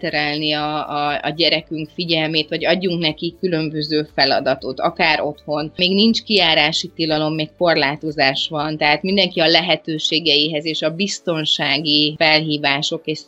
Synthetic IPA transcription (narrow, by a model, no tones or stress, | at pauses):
t̪ɛɾɛlniɒ̰ːɟɛɾɛkyŋkfiɟɛlmeːt̪ʋɒɟɒɟːuŋknɛkikːylø̞mbø̞zøːfɛlɒ̰d̪ɒt̪o̞t̪ɒ̰kaːɾʔo̞t̪ho̞nmeːɡnint͡ʃkiaːɾaːʃit̪ilɒlo̞mːeːkko̞rlaːt̪o̞zaːʃʋɒnt̪ɛɦaːt̪mind̪ɛŋkiɒlɛɦɛt̪øːʃeːɡɛjiɦɛzeːʃɒbist̪o̞nʃaːɡifɛlɦiːvaːʃo̞keːʃ